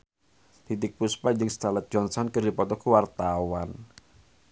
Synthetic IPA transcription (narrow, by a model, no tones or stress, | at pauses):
t̪it̪ɪk̚puspad͡ʒɨŋst̪alət̪̚d͡ʒɔnsɔnkərdipɔt̪ɔkəwart̪awan